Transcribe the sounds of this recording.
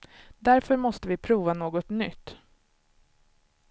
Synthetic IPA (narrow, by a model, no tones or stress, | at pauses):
d̪æɾfœɾmɔst̪əvɪpʰɾuːvanoːɡɔt̪nʏ̰t̪ː